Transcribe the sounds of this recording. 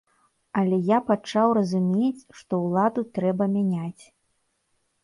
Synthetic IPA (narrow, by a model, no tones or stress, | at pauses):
ɐlʲɛjapat͡ʂawrɐzumʲet͡sʲʂt̪ɔwlˠad̪ut̪ɾɛbɐmʲanʲat͡sʲ